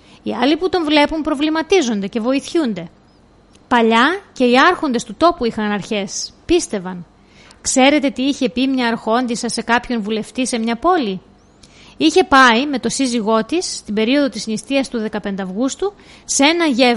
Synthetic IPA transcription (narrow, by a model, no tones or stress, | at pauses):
iɐliput̪o̞ɱvle̞pumpɾo̞vlimɐt̪izo̞nd̪e̞ce̞vo̞iθçund̪e̞ | pɐʎɐce̞iɐɾxo̞nd̪e̞st̪ut̪o̞puixɐnɐɾçe̞spist̪e̞vɐn | kse̞ɾe̞t̪et̪iiçe̞pimɲɐːɾxo̞nd̪isɐse̞kɐpço̞nvule̞ft̪ise̞mɲɐpo̞li | içe̞pɐime̞t̪o̞siziɣo̞t̪isːt̪ibe̞ɾio̞ðo̞t̪isinist̪iɐst̪uðe̞kɐpe̞nd̪eɐvɣust̪uː | ee̞nɐʝe